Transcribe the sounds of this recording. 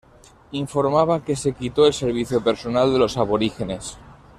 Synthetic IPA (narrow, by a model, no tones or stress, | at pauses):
iɱfo̞ɾmaβ̞ake̞se̞kit̪o̞e̞lse̞ɾβ̞iθjo̞pe̞ɾso̞nald̪e̞lo̞saβo̞ɾixe̞ne̞s